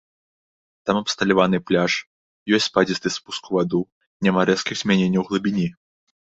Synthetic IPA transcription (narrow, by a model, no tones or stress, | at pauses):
t̪amɐpst̪ɐlʲavanɨplʲaʂ | jɔsʲt͡s̪ʲpad͡zʲist̪ɨspuskuvad̪u | nʲɛmaɾɛskʲiɣzʲmʲanʲenʲːɐwɣlˠɐbʲinʲi